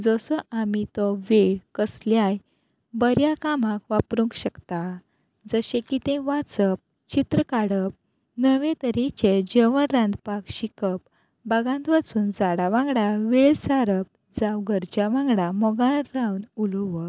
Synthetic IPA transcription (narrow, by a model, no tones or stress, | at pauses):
d͡zɔsɔʔamit̪ɔʋeɭkəsljaj | bəɾjakam̤ãkʋapɾũŋkɕəkt̪a | d͡zəɕẽkit̪ẽʋat͡səp̚ | t͡ɕit̪ɾəkaɽəp̚ | nəʋẽt̪əɾit͡ɕed͡ʑeʋənɾãnd̪pakɕikəp̚ | baɡãnt̪ʋat͡suːnd͡zaɽaʋãŋɡɽaʋiɭsaɾəp̚ | d͡zawɡəɾt͡ɕaʋãŋɡɽamɔɡãɾawnuluʋə